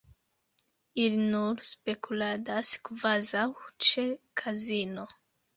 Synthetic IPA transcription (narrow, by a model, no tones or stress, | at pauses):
ilinuɾspe̞kʰuladaskvazawt͡ʃe̞kʰazino̞